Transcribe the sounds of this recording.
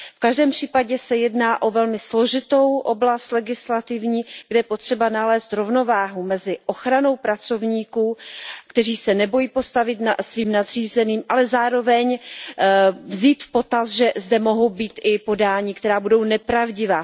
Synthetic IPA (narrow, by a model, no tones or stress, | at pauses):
fkaʒdɛːmpr̝̥iːpaɟɛsɛjɛdnaːʔo̞vɛlmɪslo̞ʒɪt̪o̞wʔoblast̪lɛɡɪslat̪ɪvɲiːɡdɛjɛpo̞t̪r̝̥ɛbanalɛːst̪ɾovno̞vaːɦumɛzɪʔo̞xɾano̞wpɾat͡so̞vɲiːkukt̪ɛr̝iːsɛnɛbo̞jiːpo̞st̪avɪt̪nasviːmnad̪r̥iːzɛniːmʔalɛzaːɾo̞vɛɲ | vziːt̪fpo̞t̪asʒɛzdɛmo̞ɦo̞wbiːt̪ʔɪpo̞daːɲikt̪ɛɾaːbudo̞wnɛpɾavɟɪvaː